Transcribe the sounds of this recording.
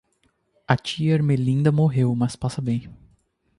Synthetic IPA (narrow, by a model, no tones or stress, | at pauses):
ɐt͡ʃiɐeɾmelĩnd̪ɐmoɦewmɐspasɐbẽj̃